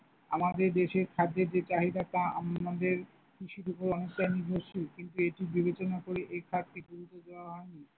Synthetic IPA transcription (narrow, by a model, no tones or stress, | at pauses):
amad̪eɾd̪eʃeɾkʰad̪ːeɾd͡ʑet͡ɕaɦid̪at̪aa̰ad̪eɾ | kʰiʃiɾupoɾɔnek̚ʈajniɾbʱoʃikint̪ueʈibibet͡ɕonakoɾeʔejkʰat̪ːiɡuɾut̪odeoaɦɔeni